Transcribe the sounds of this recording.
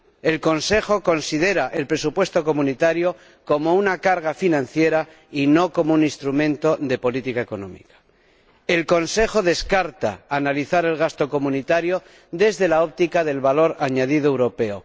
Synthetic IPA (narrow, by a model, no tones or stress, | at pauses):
e̞lko̞nse̞xo̞ko̞nsið̞e̞ɾaʔe̞lpɾe̞supwe̞st̪o̞komunit̪aɾjo̞ | ko̞mo̞unakaɾɣafinãnθje̞ɾa | ino̞ko̞mounĩnst̪ɾumẽ̞nt̪o̞ðe̞po̞lit̪ikae̞ko̞nõ̰mḭkḁ | e̞lko̞nse̞xo̞ðe̞skaɾt̪a̰ːnaliθaɾe̞lɣ̞ast̪o̞ko̞munit̪aɾjo̞ | ðe̞zðe̞lao̞p̚t̪ikaðe̞lβalo̞ɾaɲaðið̞oewɾo̞pe̞o